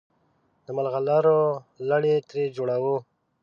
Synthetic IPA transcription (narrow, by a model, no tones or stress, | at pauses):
d̪əmalɣalaɾolaɽet̪ɾed͡ʒoɽawo